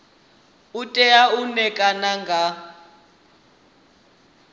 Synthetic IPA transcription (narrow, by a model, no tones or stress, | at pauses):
utʼɛaunɛkʼanaŋɡʱa